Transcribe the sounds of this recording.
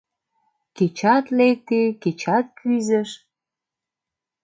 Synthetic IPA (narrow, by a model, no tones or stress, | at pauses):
ket͡ɕɑt̪lek̚t̪eket͡ɕɑt̪̚kʰyzə̆ʃ